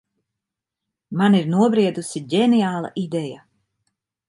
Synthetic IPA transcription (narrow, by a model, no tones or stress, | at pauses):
maniɾnuɔbɾiɛd̪usiɟɛnijaːlˠa̰ʔid̪ɛja